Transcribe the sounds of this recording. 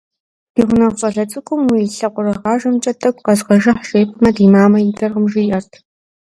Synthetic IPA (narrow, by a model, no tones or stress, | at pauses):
d̥iːʁʷʊnɐʁfɐɮɐt͡sʼɨkʷʼʊmwiɬɐqʷʼʊɾɐʁɑːʒɐmt͡ʃʼɐtʰɐkʷʼqɐzʁɐʒɐħʃʼeːpʰɨmɐdiːmaːmɐjɪdɐrʁəmʒɪjʔɐrtʰ